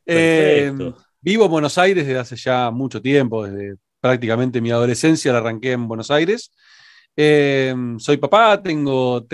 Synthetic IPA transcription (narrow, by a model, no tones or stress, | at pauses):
e | biβo̞embweno̞sajɾeðeðeaseʒamut͡ʃo̞t̪je̞mpo̞ðezðe̞ | pɾak̚t̪̬ikamẽnt̪emiað̞o̞le̞sensjalaraŋkeːmbwenosajɾes | emso̞jpapat̪eŋɡot̪